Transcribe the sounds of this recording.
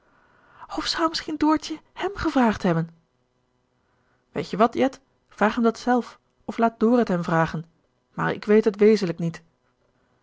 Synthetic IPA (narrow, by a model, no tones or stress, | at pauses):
ɔfsɔwmɪsχindʊːɹtəhɛmχəvraːχtɦɛbən | ʋḛjtjəʋɑtjɛt | fraːχɦɛmdɑtsɛlˠf | ɔflaːt̚dʊːrətɦɛmvraːχən | ma̰ːɹɪ̰kʋejtɦətʋejzənləknit